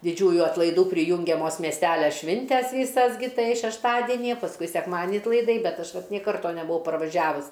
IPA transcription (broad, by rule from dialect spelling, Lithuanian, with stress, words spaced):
dʲɪˈd͡ʒʲuːjʊ ɐtlˠɐɪˈduː pʲrʲɪˈjuːŋʲɡʲɛmoːs mʲiɛsʲˈtʲælʲɛ ˈʃʲʋʲɪnʲtʲɛs ˈʋʲiːsɐs ɡʲɪ ˈtɐɪ ʃʲɛʃˈtɑːdʲɛnʲɪjɛ pɐsˈkʊɪ sʲɛkˈmɑːdʲnʲɪ ɐtlˠɐɪˈdɐɪ ˈbʲɛt ˈɐʃ ˈʋɐt nʲeː ˈkɐrtoː nʲɛbʊˈʋɐʊ pɐrʋɐˈʒʲæːʋʊs